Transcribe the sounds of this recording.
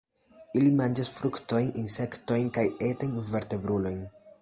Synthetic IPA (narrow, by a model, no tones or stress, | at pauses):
ilimand͡ʒasfɾukto̞jninse̞kto̞jnkajetojnve̞ɾte̞bɾulo̞jn